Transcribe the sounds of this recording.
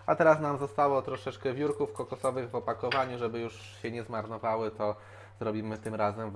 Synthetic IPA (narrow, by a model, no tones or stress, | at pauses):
at̪ɛɾasnamzɔst̪awɔt̪ɾɔʂɛt͡ʂkɛvʲjuɾkufkɔkɔsɔvɘɣvɔpakɔvaɲuʐɛbɘjuʂ | ɕɛɲɛzmaɾnɔvawɘt̪ɔ | zɾɔbʲimɘt̪ɘmɾazɛm